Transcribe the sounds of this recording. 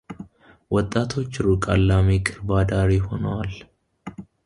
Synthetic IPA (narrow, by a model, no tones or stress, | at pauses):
wɔt̪ʼːaːt̪ʰot͡ʃːɪɾʊkʼalːaːmeːkʼɪɾbaːd̪aːɾiːhɔnɐwal